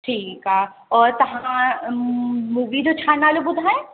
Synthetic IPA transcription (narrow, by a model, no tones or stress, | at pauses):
ʈʰiːka | ɔːɾt̪ɐɦã | muːʋid͡ʒot͡ʃʰaːnaːlobʊd̪ʱae